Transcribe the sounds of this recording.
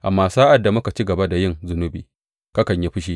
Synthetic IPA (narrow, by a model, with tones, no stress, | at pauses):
ʔa̰˨mːaː˨saː˦ʔa˨dːa˨mʊ˦ka˨t͡ʃi˦ɡɐ˨ba˦da˨jɪ˦˨ŋzʊ˦nʊ˦bḭː˨ | ka˦kɐ˨ɲji˦ɸɪ˦ʃ̬iː˦